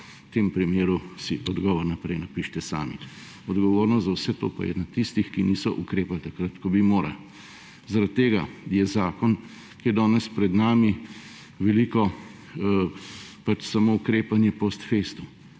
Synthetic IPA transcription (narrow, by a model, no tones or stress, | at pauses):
t̪eːmpɾimeːɾusiʔɔd̪ɡɔːʋɔɾnapɾɛjnapiʃt̪ɛsa̰ːmḭ | ɔd̪ɡɔʋoːɾnɔzawsɛt̪o̰ːpa̰jɛ̰nat̪ist̪ixkiniːsɔʔṵkɾeːpalt̪akɾat̪kɔbimoːɾa̰l | zaɾat̪ːeːɡa̰jɛzaːkɔn | kid̪ɔːnɛspɾɛd̪naːmi | ʋɛliːkɔ | pat͡ʃsamoːukɾeːpanjɛpost̪feːst̪u